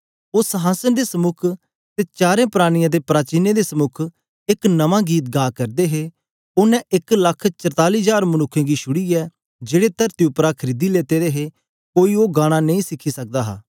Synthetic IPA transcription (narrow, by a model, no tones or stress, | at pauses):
oːsəɦaːsənd̪esəmʊkʰ | t̪eːt͡ʃaːɾẽːpɾaːɽ̃ɪjãd̪epɾaːt͡ʃiːned̪esəmʊkʰ | ɪknɐʋãːɡiːt̪̚ɡaːkɐɾd̪eɦe | ʊnɛ̃ɪklɐkʰt͡ʃɐɾt̪aːliːd͡ʒaːɾmɐnʊkʰːẽːɡiʃʰʊɽiɛː | d͡ʒeːɽet̪ɐɾt̪iʊpɾakʰəɾiːd̪ileːt̪eːd̪eːɦe | koːioːɡãːɽ̃anɐ̃ĩsɪkʰːisɐk̚d̪aːɦa̰ː